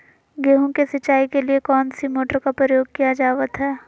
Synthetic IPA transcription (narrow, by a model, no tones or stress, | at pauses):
ɡeːɦõkesɐt͡ʃːaːikeliekɔːnsimoːʈəɾkapɾəjoːɡ̚kijad͡ʒaːʋət̪ɦɛː